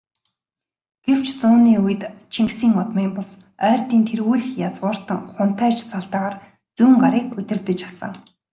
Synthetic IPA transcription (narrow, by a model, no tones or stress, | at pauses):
ɡ̥ew̥t͡ɕt͡suːniːujɘ̆t̪t͡ɕʰiŋksiːŋʊt̪miːmpʊs | œːrt̪iːnt̪ʰerɣuːɮɘ̆xjat͡sɢʊːr̥t̪ə̆ŋχʊn̥t̪ʰæːt͡ɕt͡sɔɮt̪aːʁaːr | t͡suːŋɢaɾiːkɵt̪ʲɪ̆rt̪ɘ̆t͡ɕasə̰̆ŋ